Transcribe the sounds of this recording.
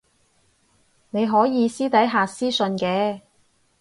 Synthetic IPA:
ne˨˧jɦɔː˨˥jiː˨˧siː˥t̪ɐ˨˥jɦaː˨˧siː˥sɵ˧nkɛː˨˧

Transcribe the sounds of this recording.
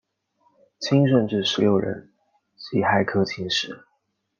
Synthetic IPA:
t͡ɕʰi˥ŋʂ̬ə˥˧nʈ͡ʂɻ̩˥˩ʂɻ̩˧˥ljo˥˩ʊɻə̰˧˥n | t͡ɕi˧˥xa˥˩ɪkʰɤ˥t͡ɕʰi˧˥ŋʂɻ̩˧˦

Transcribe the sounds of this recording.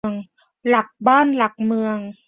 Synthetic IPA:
əŋ | la˨˩k̚baː˥˩˨nla˨˩k̚mɯ˧əŋ

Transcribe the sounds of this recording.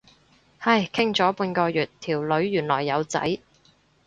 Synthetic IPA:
hɐ˧jkʰɪ˥ŋt͡sɔː˨˥puː˧nkɔː˧jyː˨tt̪ʰiː˨˩wlɵ˨˧ɥːyː˨˩nlɔː˨˩jːɐ˨˧wt͡sɐ̰˨˥j

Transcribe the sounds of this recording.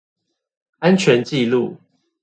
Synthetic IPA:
a˦nt͡ɕʰɥɛ˨˦nt͡ɕi˥˨lu˥˨

